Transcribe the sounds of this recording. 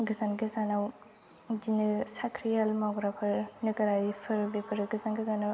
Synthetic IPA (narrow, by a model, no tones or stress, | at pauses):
ɡɯzanɡɯzanaw | dinɯsakʰɾijalmaɡɾapʰɯɾnɯɡɐɾajpʰɯɾbepʰɯɾɯɡɯzanɡəzana